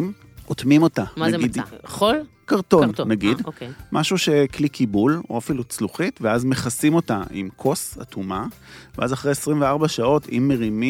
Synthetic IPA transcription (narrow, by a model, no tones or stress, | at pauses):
m | ʔotmimo̞taɡidolkaʁto̞nnaɡidokmʔaʃuʃeklikʰibuloafilut͡sluχitveazme̞χasimo̞taʔḭmkʰo̞sa̰tʰuma | veazaχʁejesʁimveaʁbaʃao̞tʰḭmːe̞ʁimi